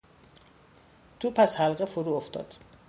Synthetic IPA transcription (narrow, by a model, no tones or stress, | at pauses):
t̪ʰupʰæshælɢefoɾuːoft̪ɒ̰ːd̪̥